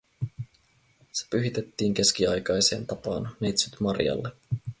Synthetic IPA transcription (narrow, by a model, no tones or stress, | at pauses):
se̥pyɦit̪e̞t̪ːiːŋk̟e̞skiɑjkɑjse̞ːnt̪ɑpɑ̰ːnmejt̪syt̪mɑrj̰ɑ̰lːe